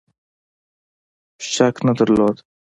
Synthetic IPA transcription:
ɕaknɐd̪əɾloːd̪

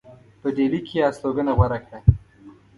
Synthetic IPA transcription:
pəɖelikʰeɑsloɡənaɣwaɾakɽa

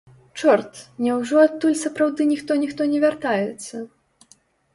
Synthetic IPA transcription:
t͡ʂɔrt̪nʲɛwʐɔat̪ːulʲsɐpɾawd̪ɨnʲixt̪ɔnʲixt̪ɔnʲɛvʲart̪ajɛt̪sːɐ

